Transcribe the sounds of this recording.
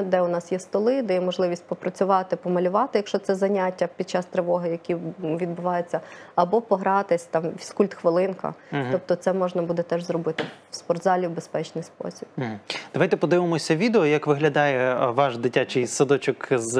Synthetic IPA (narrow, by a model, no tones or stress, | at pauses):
d̪ɛʊnɑsjɛst̪ɔlˠɪd̪ɛjɛmɔʒlˠɪʋʲisʲtʲpɔpɾɐt͡sʲʊʋɑt̪ɪpɔmɐlʲʊʋɑt̪ɪjɐkʃt͡ʃɔt̪sɛzɐnʲatʲːɐpʲid̪̚t͡ʃɑst̪ɾeʋɔɦɪjɐkʲiʋʲid̪bʊʋɑjet͡sʲːɐɐbɔpɔɦɾɑt̪ɪsʲt̪ɑmʋʲiskulʲt̪xʋɪlˠɪnkɐ̰ɦt̪ɔp̚t̪ɔt̪sɛmɔʒnɐbud̪ɛt̪ɛʒzrɔbɪt̪ɪ | spɔrd̪zɑlʲiwbespɛt͡ʃnɪjspɔ̰sʲibb̩d̪̥ɐʋɑjt̪ɛpɔd̪ɪʋɪmɔsʲɐʋʲid̪eɔjɐkʋɪɦlʲɐd̪ɑjɛʋɑʃd̪ɪtʲat͡ʃɪjsɐd̪ɔt͡ʃɔkz